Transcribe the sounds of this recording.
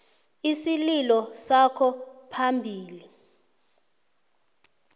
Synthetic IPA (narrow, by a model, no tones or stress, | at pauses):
isililɔsakʰɔpʰambʱiːli